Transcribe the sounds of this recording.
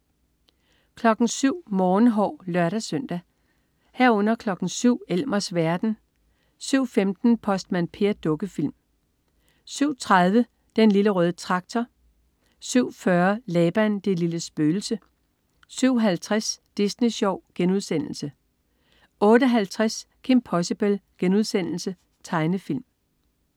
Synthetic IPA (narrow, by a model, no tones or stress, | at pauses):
kʰlɒ̽ɡ̥n̩syʊ̰mɒːnɦɒ̰ʊlɶɐɾæsœn̰d̥æ | hæɐ̰ɔ̽n̰ɐkʰlɒ̽ɡ̥n̩syʊ̰el̰mɐsʋæɐd̥n̩ | syʊ̰femd̥n̩pʰɒ̽sd̥mænpʰe̝ɐd̥ɔ̽ɡ̥əfil̰m | syʊ̰t͡sʰʁað̞ˠʋə | d̥enliləʁœːðˠət͡sʰʁɑ̈ɡ̥̚t͡sʰɒ | syʊ̰fɶɐlɛːb̥ænd̥e̝liləsb̥øːl̩sə | syʊ̰ɦælt͡sʰʁasd̥isniɕɒʊ̰ɡ̥enuðˠsen̰l̩sə | ʔɔ̽ːɾəɦælt͡sʰʁaskʰe̝mpʰɒ̽sib̥əlɡ̥enuð̞ˠsen̰l̩sə | t͡sʰɑ̈ɪnəfil̰m